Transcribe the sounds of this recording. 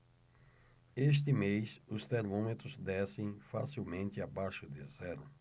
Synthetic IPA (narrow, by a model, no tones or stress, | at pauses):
eʃ̬t̪ɪmejsʊst̪eɾmõmet̪ɾʊzd̪ɛsẽj̃fasiwmẽnt̪ɪabajʃʊd̪ɪzɛɾʊ